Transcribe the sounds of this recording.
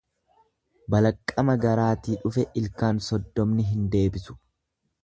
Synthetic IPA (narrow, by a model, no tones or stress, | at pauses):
bɐlɐkʼːɐmɐɡɐɾaːt̪iːᶑʊfɛʔɪlkaːnsɔd̪ːɔmnɪɦɪnd̪e̞ːbɪsʊ̥